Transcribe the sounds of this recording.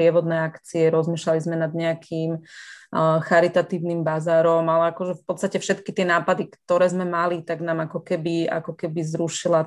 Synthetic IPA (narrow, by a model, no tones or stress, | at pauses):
ɪɛʋɔd̪nɛːakt͡siɛɾɔzmiːʃlalizmɛnad̪ɲɛakʰim | xaɾit̪at̪iːʋnimbazaːɾɔmalɛakɔʒɛfpɔt̪t͡st̪acɛfʃɛt̪kit̪ɪɛnaːpad̪ikt̪ɔɾɛːzmɛmalit̪aɡnaːmakɔkɛbia̰kɔkɛbizɾuʃila